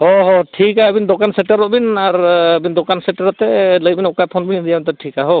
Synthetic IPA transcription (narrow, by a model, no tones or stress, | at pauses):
ɔɦɔʈʰikaəbind̪ɔkansɛʈaɾɔʔbinaɾəbind̪ɔkansɛʈaɾat̪ɛləbinɔkajpʰɔnbind̪ijamnt̪ɛʈʰikaɦɔ